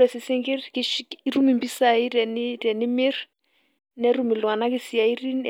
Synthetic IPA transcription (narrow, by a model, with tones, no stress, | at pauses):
ɛ˨sɪ˨sɪ˦ŋkɪ˦rkɪʃi˦ru˦mi˨mbi˦sa˨i˦rɛ˨nɪ˦rɛ˨nɪ˦mɪ˦r | nɛ˦ru˦mɪ˨lwa˨na˦kɪ˦si˨a˨i˦ri˦n